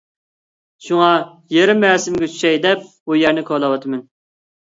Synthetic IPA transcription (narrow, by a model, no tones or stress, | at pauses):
ʃuŋɑ | jeɾɪmɛːsɪmɡʲɛt͡ʃʰy̥ʃɛjd̪ɛp̚bujæɾnɪkʰɑlˠɑwɑt̪ʰɨmɪn